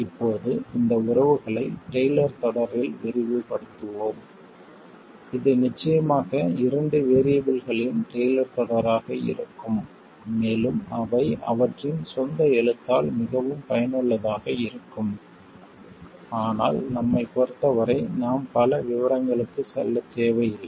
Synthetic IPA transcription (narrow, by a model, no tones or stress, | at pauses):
ɪpːoːðɯɪnd̪ɐʊɾɐʋɯɣɐɭɐɪʈejlɐɾt̪ɔɽɐɾʋɪlʋɛɾɪʋɯpɐɽɯt̪ːɯʋoːm | ɪðɯnɪt͡ʃːɐjɐmaːɣɐɪɾɐɳɖɯʋeːɾɪjɐbɪlɣɐɭɪnʈeːjlɐɾt̪ɔɽɐɾaːɣɐɪ̰ɾɯkːɯmː | eːlɯmɐʋɐɪɐ̰ʋɐʈrɪnsɔnd̪ɐɛɻɯt̪ːaːlmɪɣɐʋɯmpɐjɐnɯɭːɐðaːɣɐɪɾɯkːɯm | aːna̰ːlnɐmːɐɪpoɾɯt̪ːɐʋɐɾɐɪnaːmpɐlɐʋɪʋɐɾɐŋɡɐɭɯkːɯsɛ̰lːɐt̪ːeːʋɐjɪl